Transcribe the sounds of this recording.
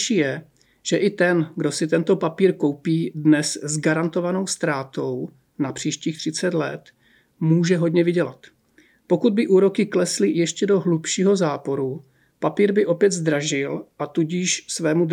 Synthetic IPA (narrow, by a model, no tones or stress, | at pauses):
ʃijɛ | ʒ̥ɛʔɪt̪ɛnɡdo̞sɪt̪ɛnt̪o̞papiːɾko̞wpiːdnɛszɡaɾant̪o̞vano̞wst̪ɾaːt̪o̞w | napr̝̥iːʃciːxt̪r̥ɪt͡sɛt̪lɛ̰t̪ | muːʒɛɦo̞dɲɛvɪɟɛlat̪ | po̞kud̪̚bɪʔuːɾo̞kɪklɛslɪjɛʃcɛdo̞ɦlupʃiːɦo̞zaːpo̞ɾu | papiːɾbɪʔo̞pjɛd̪zd̪ɾaʒɪlʔat̪uɟɪʃsvɛːmud